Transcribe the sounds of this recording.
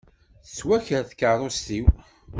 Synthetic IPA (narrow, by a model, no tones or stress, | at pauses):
θət͡sːwæçəɾθkːəɾˤost̪iw